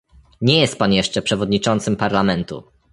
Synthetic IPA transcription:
ɲɛjɛst̪̚panjɛʂt͡ʂɛpʂɛvɔd̪ɲit͡ʂɔnt̪sɘmpaɾlamɛnt̪ṵ

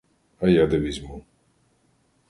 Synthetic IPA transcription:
ajad̪ɛbizmu

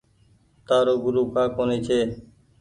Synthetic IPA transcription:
t̪aːɾoːɡʊɾuːkʰãːkoːniːt͡ʃʰeː

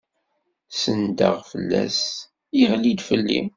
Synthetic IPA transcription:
sənd̪ə̰ʁfəlːæs | iʁlid̪fəlːḭm

